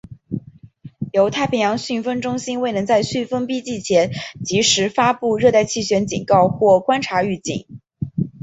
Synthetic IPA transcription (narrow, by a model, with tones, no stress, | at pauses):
jo˧˥ʊt̪ʰa˥˩ɪpʰi˧˥ŋjɑ˧˥ŋɕy˥˩fə˥nʈ͡ʂʊ˥ŋɕi˥nwe˥˩ɪnɤ˧˥ŋt͡sa˥˧ɪɕy˥˩nfə˥npi˥t͡ɕi˥˩t͡ɕʰjɛ˧˥nt͡ɕi˧˥ʂɻ̩˧˥fa˥pu˥˧ɻɤ˥˧t̪a˥˧ɪt͡ɕʰi˥˩ɕɥɛ˧˥nt͡ɕḭ˨˩ŋkɑ˥˧ʊxwɔ˥˩kwa˥nʈ͡ʂʰa˧˥y˥˧t͡ɕḭ˥˩ŋ